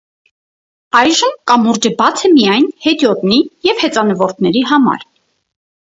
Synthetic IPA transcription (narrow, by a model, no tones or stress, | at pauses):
ɑjʒəmkɑmuɾd͡ʒəbɑt͡sʰəmijɑjnhɛt̪jɔt̪nijɛvhɛt͡sɑnəvɔɾt̪ʰnɛɾiɦɑmɑ̰ɾ